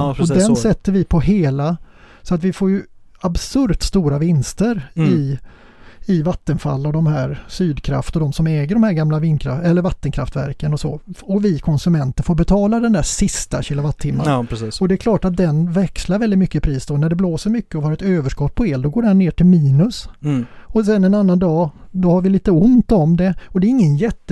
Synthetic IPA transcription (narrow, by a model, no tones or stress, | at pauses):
ɔd̪ɛnsɛt̪ːəɾvɪpʰɔɦeːla | sɔat̪vɪfoːɾjɵ | absɵɾt̪st̪uːɾavɪnst̪əɾɪ | ɪvat̪ːənfa̰lːɔd̪ɔmhæːɾsyːd̪kʰɾa̰ft̪ɔd̪ɔmsɔmɛːɡəɖɔmhæːɾɡamlaviːnkʰɾa̰ɛlːəɾvat̪ːənkʰɾaft̪væ̰ɾkənɔso̰ːɔvɪkʰɔnsɵmɛnt̪əɾfoːɾbɛt̪ʰɑːlad̪ɛnd̪æʂɪst̪aɕɪːlʊvat̪ʰːɪmːa̰ɾɛsiːsɔd̪ɛɛkʰlɑːʈat̪̚d̪ɛnvɛkslaɾvɛldɪt̪mʏkːəpʰɾiːsd̪oːnæɖɛbloːsəɾmʏkːəɔhɑːɾɛt̪øːvəʂkɔt̪̚ːpʰɔeːld̪ɔɡoːɖɛneːʈɪlmiːnɵs | ɔsɛnɛnanːand̪ɑːd̪ɔhaɾvɪliːt̪əʊnt̪ɔmd̪ɛɔd̪ɛɾɪŋːənjɛt̪ː